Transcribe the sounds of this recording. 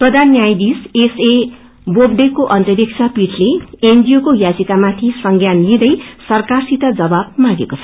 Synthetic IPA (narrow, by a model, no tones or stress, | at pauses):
pʌd̪anjajd̪isese | bob̚ɖekoʔʌnt̪ʌɾik̚t͡ʃʰapiʈʰleendijokojad͡zit̪amat̪ʰisʌŋɡjanlid̪ʌjsʌrkarsit̪ʌd͡zʌbab̚maɡekot͡sʰʌ̥